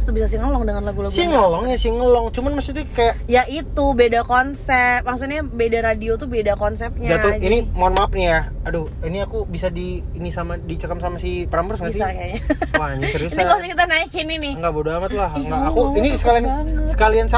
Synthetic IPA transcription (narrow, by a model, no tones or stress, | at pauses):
t̪ubisas̬iŋəlɔŋdəŋanlaɡulaɡsiŋəlɔŋjasiŋəlɔŋt͡ʃumanməst̪it̪ukajaʔjaʔit̪ubedakɔnsɛp̚maŋs̬uɲabedaɾadiot̪ubedakɔnsɛp̚ɲad͡ʒat̪uinimɔnmap̚nijaaduiniakubisadiː | nisamadit͡ʃəkamsamasipəɾampərsŋɡaiakajaaɲsəisinikasikit̪anaikɪninɪŋɡabudamat̪̚laɦŋɡaːkuinisəkaliansə̥kalians